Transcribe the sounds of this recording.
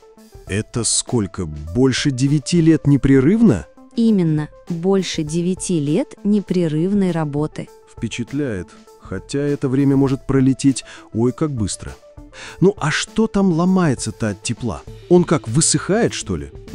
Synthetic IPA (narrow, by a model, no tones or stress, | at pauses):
ɛt̪əsko̞lʲkəbo̞lʲʂɨdʲɪvʲɪtʲilʲet̪nʲɪpɾʲɪrɨvnə̰imʲɪnːə | bo̞lʲʂɨdʲɪvʲɪtʲilʲet̪nʲɪpɾʲɪrɨvnəjrɐbo̞t̪ɨ | fpʲɪt͡ɕɪt̪lʲæjɪt̪ | xɐtʲaɛt̪əvɾʲemʲəmo̞ʐɨt̪̚pɾəlʲɪtʲetʲo̞jkak̚bɨst̪ɾə̰ | nuʔɐʂt̪o̞t̪amlˠɐmajɪt̪sət̪atʲːɪplˠa̰o̞nkakvɨsɨxajɪt̪ʂt̪o̞̰lʲɪ̰